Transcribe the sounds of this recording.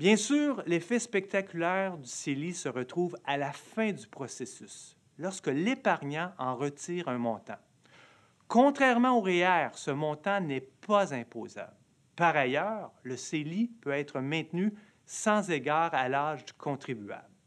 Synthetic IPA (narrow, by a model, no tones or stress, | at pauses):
bjɛ̃syːʁlefɛspɛk̚t̪akʲylɛːʁd̪yselisəʁət̪ʁuːvalafɛ̃d̪ypχɔsesys | lɔʁskəlepaʁɲɑ̃ɑ̃ʁət̪iːʁœ̃mɔ̃t̪ɑ̰̃ | kɔ̃t̪χɛʁmɑ̃oʁeɛʁsəmɔ̃t̪ɑ̃nɛpazɛ̃poːza̰bl | paʁajœːʁləselipøɛːt̪ʁəmɛ̃t̪ny | sɑ̃zeɡaːʁalaːʒd̪ykʰɔ̃t̪ʁibya̰bl